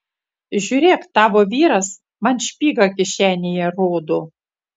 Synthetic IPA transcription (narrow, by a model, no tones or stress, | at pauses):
ʒʲuːɾʲeːkt̪ɑːʋoːʋʲiːɾɐs | mɐnʃʲpʲiːɡɐkʲɪʃʲæːnʲejɛɾoːd̪ʊ